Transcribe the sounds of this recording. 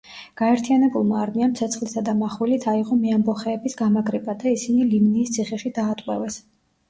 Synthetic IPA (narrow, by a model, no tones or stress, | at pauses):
ɡ̥aɛɾt̪ʰijanɛbulˠmaːɾmianmt̪sʰɛt̪sʰχlisad̪amaχwilit̪ʰaiʁɔmiambɔχɛːbisɡamaɡɾɛbad̪aisinilimniːst̪sʰiχɛʃid̪aːt̪ʼqʼwɛvɛs